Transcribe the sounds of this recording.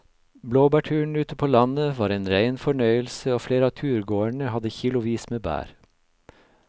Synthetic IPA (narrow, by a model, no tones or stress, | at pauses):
bloːbæʈʰʉːɳ̩ʉːt̪əpʰoːlɑnəʋɑːɾeːnɾæɪnfɔɳœʏəlsəoːfleːɾəɑːt̪ʰʉːɾɡoːæɳəhɑd̪əçiːlʊʋiːsmeːbæ̰ːɾ